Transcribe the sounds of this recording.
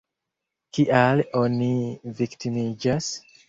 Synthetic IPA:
kiʔaloniviktimid͡ʒas

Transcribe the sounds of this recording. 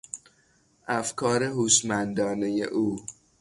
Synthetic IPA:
ʔæfkʰɒːɾe̞ɦuːʃmænd̪ɒːnejḛʔuː

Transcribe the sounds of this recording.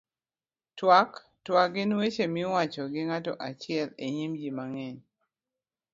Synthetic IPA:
twak | twakɡɪnwet͡ʃemɪwat͡ʃɔɡɪŋatɔʔat͡ʃɪɛleɲimd͡ʒimaŋɛɲ

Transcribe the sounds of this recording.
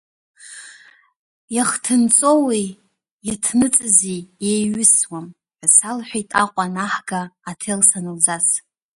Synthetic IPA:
jaχtʰɨnt͡sʼo̞wej | jatʰnɨt͡sʼɨziejɥʏswam | ħʷasalħʷᶣejtʼaqʷʼanaħɡaːtʰelsanɨld͡zas

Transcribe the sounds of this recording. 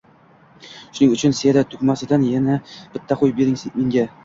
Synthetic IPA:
ʃʊnɪŋʊt͡ʃʰɪnsead̪at̪ʰʊkʲmasɪd̪anjanab̥ɪt̪ːaqʊjbeɾɪmeŋɡʲa

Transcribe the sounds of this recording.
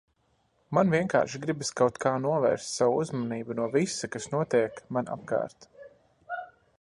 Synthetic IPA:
manvʲiɛŋka̰ːɾʃɡɾibiskawt̪kʰaːnuɔvɛ̰ːɾst̪ʲsawuzmaniːbunuɔvisakasnuɔt̪iɛkmanʔa̰p̚ka̰ːɾt̪

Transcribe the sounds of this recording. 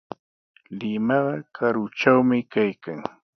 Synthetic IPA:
lɪmɑɢɑkʰaɾʊt͡ʃawmɪkajkaŋ

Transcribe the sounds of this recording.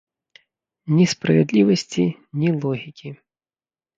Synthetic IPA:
nʲispɾɐvʲɛd̪lʲivɐsʲt͡sʲi | nʲilˠɔɣʲikʲi

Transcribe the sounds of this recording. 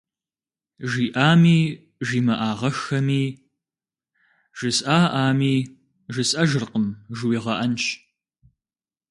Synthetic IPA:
ʒiːʔaːmiː | ʒiːmɐʔaːʁɐxɐmiː | ʒ̥ɨsʼʔaːʔaːmiː | ʒɨsʼɐʒɨrqəmʒɨwiːʁɐʔɐnt͡ʃ

